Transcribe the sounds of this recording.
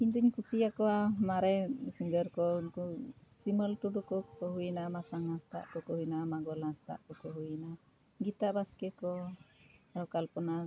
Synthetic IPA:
iɲd̪uɲkusiakɔamaɾɛsiŋɡəɾkɔ | siməlʈuɖukɔkɔɦujnamasaŋast̪a̰ʔkɔkɔɦujnamaɡɔlast̪a̰ʔkɔkɔɦujna | ɡit̪abaskɛkɔ | aɾɔkalpɔna

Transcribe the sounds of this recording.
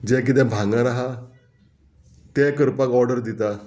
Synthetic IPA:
d͡ʑɛ̃k̬it̪̬ɛ̃bʱãŋɡãnaɦa | t̪ɛ̃kəɾpakɔɾɖəɾd̪it̪a

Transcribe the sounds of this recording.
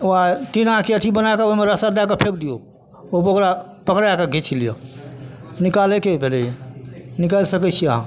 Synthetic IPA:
oat̪inãkeəʈʰibənaekeoimeɾəsad̪akepʰekd̪ijo | opokɾa | pəkɾaakeɡʱit͡ʃʰilijɔ̰ | nikalekeobʱelɛjenikəlsəkət͡ʃʰiəɦã̰

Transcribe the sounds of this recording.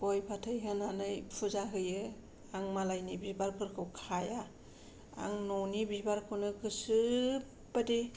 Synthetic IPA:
bɔjpʰatʰɯjɦɯnanɯjpʰuzaɦɯjɯ | aŋmalajnibibaɾkʰɯɾkʰɯwkʰaja | a̰ŋnɔnibibaɾkʰɯnɯkʰɯsɯ | badi

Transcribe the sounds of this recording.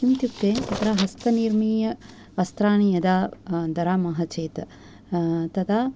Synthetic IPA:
imt̪jupt̪eːɐt̪ɾaːɦɐst̪ɐniɾmiːjɐ | ʋɐst̪ɾaːɳijɐd̪aːd̪ɐɾaːmɐɦɐt͡ʃeːt̪ | t̪ɐd̪aː

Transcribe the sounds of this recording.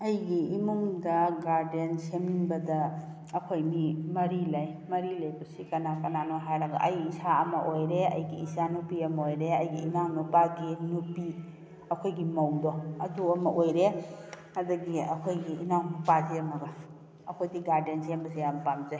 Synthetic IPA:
ɐjɡiːmuŋdɐɡaɾdensemiŋbɐdɐ | ɐkʰojmimɐɾilajmɐɾilejbɐsikɐnakɐnanɔɦajɾɐɡɐ̰ʔɐjisaɐmɐʔojɾeɐ̰jɡiisanupiɐmɐojɾeɐjɡiinaŋnupaɡinupi | ɐkʰojɡimɐwdɔɐduɐmɐʔojɾe | ɐdɐɡiɐkʰojɡiinaŋnupakiɐmɐɡɐ | ɐkʰojdiɡaɾdensembɐsijampamzaj

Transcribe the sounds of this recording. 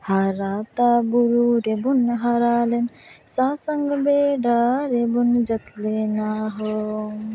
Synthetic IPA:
haɾat̪abuɾuɾebunɦaɾalen | sasɐŋɡbeɖaɾebund͡ʒɐt̪lenaɦo

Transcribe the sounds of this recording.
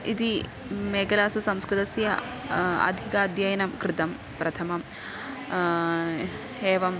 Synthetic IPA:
id̪i | meːɡɐlaːsusɐmskɾɪt̪ɐsjɐ | ɐ̰d̪ʱikaːd̪ʱjɐjɐnɐmkɾɪt̪ɐm | pɾɐt̪ʰɐmɐm | heːʋɐm

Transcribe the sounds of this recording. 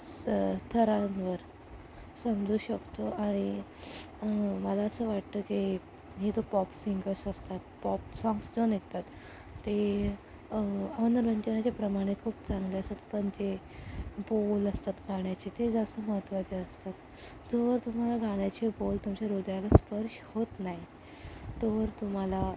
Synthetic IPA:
st̪ʰəɾanʋəɾ | səmd͡zʱuːɕəkt̪oʔaɽ̃i | məlaəsəːʋaʈt̪əki | ɦet̪opɔpsiŋɡəɾsəst̪at̪pɔpsɔ̃ŋɡsd͡zonek̚t̪at̪ː | e | əʋənd̪əɾʋəɲt͡ɕənat͡ɕapɾəmaɽ̃ekʰuːpt͡saŋɡleəst̪at̪pəɳt͡ɕe | boləst̪at̪ɡʱaɳjat͡ɕet̪ed͡zast̪əməɦət̪ʋat͡ɕeəst̪at̪ | d͡zoʋəɾt̪um̤alaɡaɽjat͡ɕebolt̪umt͡ɕaɾod̪ʱjalaspəɾɕhot̪naj | t̪oʋəɾt̪um̤ala

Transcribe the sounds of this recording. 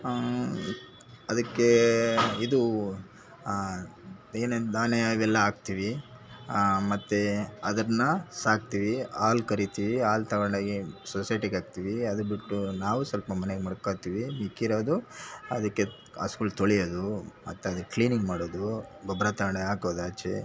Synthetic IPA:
ɐd̪ɐkːeid̪u | eːned̪aːneʋɛlːɐaːɡ̚t̪iːʋi | mɐt̪ːeɐd̪ɐɾɐnːɐsaːk̚t̪iːʋiaːlkɐɾit̪iʋiaːlt̪ɐɡɐɳɖaːɡisosɐjʈiɡaːɡ̚t̪iːʋiɐd̪ubiʈːunaːʋusɐlpɐmɐneɡemɐɽkːajt̪iːʋimikːiɾoːd̪uɐ̰d̪ɐkːe | a̰skuːlt̪oɭijod̪umɐt̪ːeɐd̪ɐkliːniŋɡmaːɽoːd̪uɡʱɔbɾaːt̪ɐɡɐɳɖeaːkoːd̪at͡ʃḛ

